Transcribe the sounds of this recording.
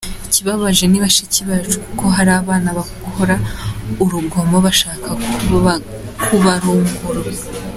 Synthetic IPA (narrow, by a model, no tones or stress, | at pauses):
iciβaβaʒe̞niβaʃiciβaːt͡ʃukukʰo̞ɦaɾaːβaːnaβa | hoɾauɾuɡo̞moβaʃaːka | kʰuβaɾomuhuɾo